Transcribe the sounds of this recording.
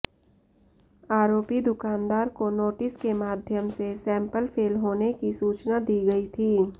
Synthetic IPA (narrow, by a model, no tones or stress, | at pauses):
aːɾoːpid̪ʊkaːnd̪aːɾkonoːʈɪskemaːd̪ʱjəmsesɛ̃ːmpəlfʰeːlɦoːnekisuːt͡ʃnad̪iːɡɐit̪ʰiː